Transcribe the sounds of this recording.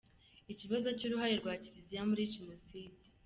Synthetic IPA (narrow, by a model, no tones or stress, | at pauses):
iciβazo̞cuːɾuɦaɾeɾɡwaːciɾizijamuɾiʒenosiːde̥